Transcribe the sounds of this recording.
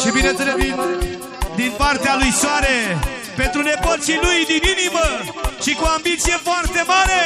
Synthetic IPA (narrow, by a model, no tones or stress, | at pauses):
ʃibinet̪ɾəvit̪ | d̪inpart̪ealujswaɾe | pent̪ɾuneɡot̪silujd̪ininimə | ʃikuambit̪sijefoart̪emaɾe